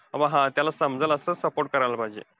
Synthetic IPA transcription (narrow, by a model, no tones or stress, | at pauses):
əʋə̃ɦãt̪jalasəmd͡zələsəsəpoɾʈ̚kəɾajləbʱajd͡ʑḛ